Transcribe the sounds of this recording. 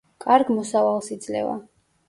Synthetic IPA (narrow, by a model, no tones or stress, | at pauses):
kʼaɾɡmɔsavalˠsid̪zlɛ̰va̰